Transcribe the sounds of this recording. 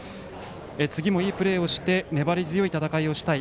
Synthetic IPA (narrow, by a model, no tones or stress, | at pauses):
et͡sɨɡʲimo̞iːpɯ̟ɾe̞ːo̞ɕi̥t̪e̞ne̞baɾʲizɨjo̞it̪at̪akaio̞ɕi̥t̪ai